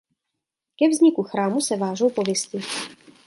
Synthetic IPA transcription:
kɛvzɲɪkuxɾaːmusɛvaːʒowpovjɛst̪ɪ

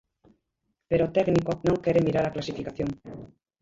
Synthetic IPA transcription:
peɾot̪ɛknikonõŋkɛɾemiɾaɾaklasifikaθjoŋ

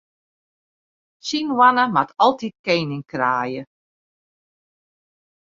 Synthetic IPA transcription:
sinwanəmatʰɔlˠtit̚kejnɪŋkraːjə

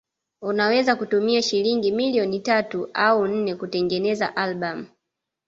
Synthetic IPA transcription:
unawɛzakutumiaʃiliŋɡimiliɔnitatuʔaun̩nɛkutɛŋɡɛnɛza̰ʔalɓam̩

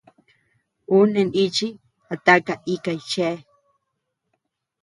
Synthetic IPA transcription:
unenit͡ʃi | at̪akaikajt͡ʃe

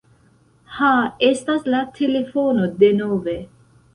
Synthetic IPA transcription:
haest̪aslat̪ʰelefonod̪enoːve

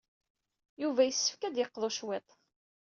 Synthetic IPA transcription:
juvæjəsːə̥fkæd̪jəqːðˤoʃwet̪ˤ

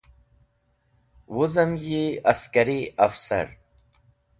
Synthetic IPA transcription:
wuzɐmjiɐskɐɾiʔɐfsɐ̰ɾ

